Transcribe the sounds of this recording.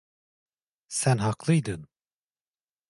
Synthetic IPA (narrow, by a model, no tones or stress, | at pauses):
sænɦɑqlˠɯjd̪ɯn